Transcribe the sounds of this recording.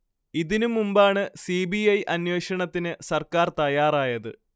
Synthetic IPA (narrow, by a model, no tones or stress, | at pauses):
iðinumːumbaːɳɨsibiɐjʔɐnweːʂɐɳɐt̪ːinɨsɐrkaːrt̪ɐjaːraːjɐðɨ̰